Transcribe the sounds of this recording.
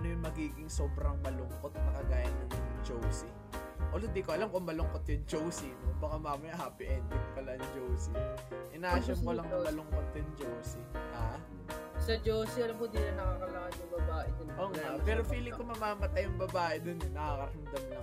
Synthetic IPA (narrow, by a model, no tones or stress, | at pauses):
ɐnojʊŋmɐɡiːɡɪŋsoːbɾɐŋmɐlʊŋkot̪̚nɐkɐɡaːjɐnːɐŋd͡ʒowsɪ | ʔolʊd̪ikoʔɐlamkoŋmɐlʊŋkot̪̚jʊŋd͡ʒowsɪnobɐkamaːmɐjaɦaːpɪʔɛnd̪ɪt̪̚pɐlɐɐŋd͡ʒowsɪʔɪnaːʃoolɐŋkʊmɐlʊŋkot̪̚jʊnd͡ʒowsɪha | sɐd͡ʒowsiɐlɐmkod̪inɐnɐkaːkɐlakɐnjʊŋbɐbaːʔɛd̪ʊnʔoːŋapɛːɾofiːlɪkomɐmaːmɐt̪ɐjʊŋbɐbaːʔɛd̪onʊnɐkaːkɐɾɐŋd̪ɐmnɐ